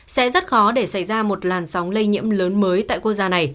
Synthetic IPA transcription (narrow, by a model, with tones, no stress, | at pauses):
sɛ̰˧˥zə˦˥t̚xɔ˨˦ɗe˧˩sa˧˩jzaː˧mo˨˩t̚laː˨˩nsa˨˦wŋ͡mlə˧jɲḭ˧˥əmləː˨˦nməː˨˦jt̪a̰ː˧˨kwu˧k̚zaː˧na˨˩j